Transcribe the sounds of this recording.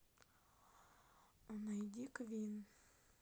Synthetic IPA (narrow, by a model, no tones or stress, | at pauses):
ɔnajd̪ʲikvʲin